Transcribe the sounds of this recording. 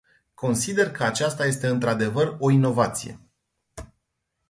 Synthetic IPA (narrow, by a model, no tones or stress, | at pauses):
kʰo̞nsid̪e̞rkʰəat͡ʃast̪aje̞s̬t̪e̞ɨnt̪ɾad̪e̞vəro̞ino̞vat̪sije̞̰